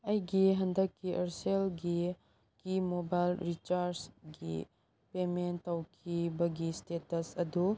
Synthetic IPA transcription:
ɐjɡiɦɐndɐkːiʔɐɾselɡi | kimobajlɾit͡ʃaɾsɡḭ | pementːawkʰibɐɡistetɐsɐdu

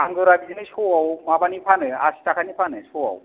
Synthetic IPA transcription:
aŋɡɔɾabidinesowawmabanipʰanɯa̰si̥takʰanipʰanɯsoa̰w

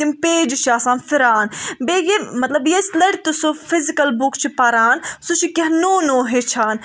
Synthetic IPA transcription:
impeːd͡ʒuʃaːsãːnfʰiɾaːnbeːjemɐt̪lɐbjeslɐɽʲt̪usufizikɐlbukt͡ʃʰipɐɾaːnsut͡ʃʰikɐɦnoːnoːɦet͡ʃʰaːn

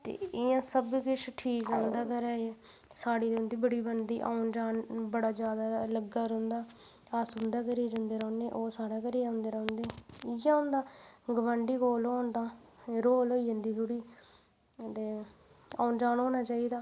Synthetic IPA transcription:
t̪ḛːɪjãːsəbkɪt͡ʃʰʈʰiːkəːʊnd̪aːkəɾɛːeː | saːɽiːɾʊnd̪iːbəɽiːbənd̪ḭːʔaːʊnd͡ʒaːnbəɽaːd͡ʒjaːd̪aːləɡaːɾõnd̪aː | asɦʊ̃nd̪aːkəɾiːd͡ʒə̃nd̪eːɾəːʊneːʔoːsaːɽaːkəɾiːãːʊnd̪eːɾə̃ːnd̪eːɪjãːʊ̃nd̪aːɡəʋãɳɖiːkoːloːnd̪aːɾoːloːiːənd̪iːt̪ʰʊɽiː | t̪eː | a̰ːʊnd͡ʒaːnõːnaːt͡ʃaːiːd̪aː

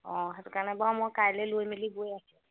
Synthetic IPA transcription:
ɔ̃ɦɛtʊkaɹnɛbamɔkaɹlɛlojmiliɡojasɛ

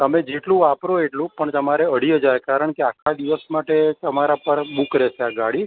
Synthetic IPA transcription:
t̪əmed͡ʒeʈlũʋapɾoeʈlũpəɳt̪əmaɾeəɽ̤iəd͡ʒajkaɾəɳkeakʰad̪iʋəsmaʈet̪əmaɾapəɳbukɾet͡ʃʰeaɡaɽi

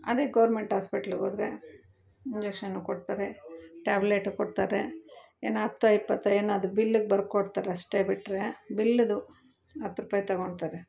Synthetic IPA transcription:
ɐ̰d̪eɡɐʋɐɾmeɳʈɦaːspiʈɐlɡoːd̪ɾḛ | iɲd͡ʒekʂɐnːukoɖt̪aːɾeʈaːbleʈkoɖt̪aːɾe | eːnɐt̪ːuɐjpːɐt̪ːɐeːnaɐd̪ubilːuɡebɐɾkːoɖt̪aːɾeɐʂʈebiʈɾebilːd̪u | ɐt̪ːɾupɐːjt̪ɐɡoɳɖt̪aːɾe

